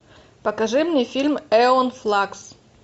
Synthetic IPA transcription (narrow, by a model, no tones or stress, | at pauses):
pəkɐʐɨmnʲefʲilʲmɛonflˠaks